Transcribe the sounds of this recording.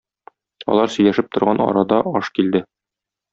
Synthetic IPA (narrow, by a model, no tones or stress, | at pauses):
ɒ̰lˠɑɾsɵ̆jlæʃɘp̚t̪ŏɾʁɑnɒ̰ɾɑd̪ɑɒʃkild̪ɘ